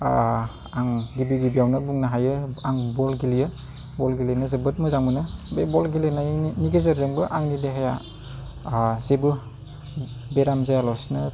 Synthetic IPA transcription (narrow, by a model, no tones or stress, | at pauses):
aŋɡibiɡibijawnɯbuŋnaɦajɯaŋbɔlɡilijɯ | bɔlɡilinɯzɯbɯt̚mɯzaŋmɯnɯbebɔlɡilnajniɡezɯɾzɯŋbɯʔaŋnideɦaja | zebɯ | beɾamzajalɔsnɯ